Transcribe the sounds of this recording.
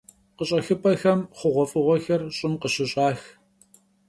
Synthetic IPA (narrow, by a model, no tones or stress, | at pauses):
qəɕʼɐxɨpʰʼɐxɐmχʷʊʁʷɔfʼɨʁʷɔxɐrɕʼɪmqəɕɪɕʼɑːx